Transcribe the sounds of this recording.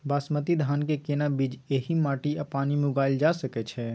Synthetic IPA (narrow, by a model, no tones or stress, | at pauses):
basmət̪id̪ʱankekenabid͡ʒeɦimaʈiapanimuɡaɪld͡ʒasəkɛt͡ʃʰɛ